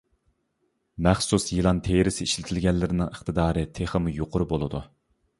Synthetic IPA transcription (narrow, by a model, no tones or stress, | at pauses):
mɛχsusjɨlˠɑnt̪ʰeɾɪsiʃlɪt̪ʰɪlɡʲɛnlːɪɾɪnɪŋəχt̪ɨd̪ɑːɾɨt̪ʰeχəmujoqʰʊɾʊbolˠɨd̪u